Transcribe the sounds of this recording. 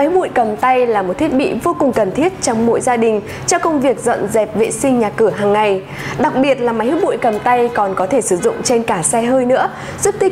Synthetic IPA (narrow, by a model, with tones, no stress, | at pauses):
a˨˦jɓṵ˧˨jkə˨˩mt̪a˧jlaː˨˩mo˨˩t̚t̪ʰi˦˥t̚ɓḭ˧˨vo˧kʊ˨˩ŋ͡mkə˨˩nt̪ʰi˦˥ət̚t͡ɕɔ˧wŋ͡mmo̰˧˥jzaː˧ɗï˨˩ŋ̟ | t͡ɕɔ˧wkə˧wŋ͡mvi˨˩ək̚zə̰˧˨nzɛ˨˩p̚vḛ˧˨sï˧ŋ̟ɲaː˨˩kɨ˧˩əɦaː˨˩ŋːa˨˩j | ɗa˨˩k̚ɓi˨˩ət̚laː˨˩ma˨˦jh̚ɓṵ˧˨jkə˨˩mt̪a˧jkɔ˨˩nkɔ˨˦t̪ʰe˧˩sɨ˧˩zʊ̰˧˨ŋ͡mt͡ɕe˧nkaː˧˩sɛ˧ɦəː˧jnɨ̰˧˥ə | zɨ˦˥k̚t̪i˦˥